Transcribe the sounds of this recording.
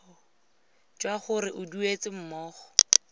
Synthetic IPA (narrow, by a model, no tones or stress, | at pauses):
d͡ʒwaχʊɾɪʔʊduet͡sɪm̩mɔːχɔ̥